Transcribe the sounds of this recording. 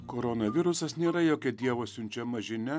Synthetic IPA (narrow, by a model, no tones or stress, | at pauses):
koːɾonɐʋʲɪɾʊsɐsnʲeːɾɐjoːkʲɛd̪ʲiɛʋoːsʲʊnʲt͡ʃʲɛmɐʒʲɪnʲɛ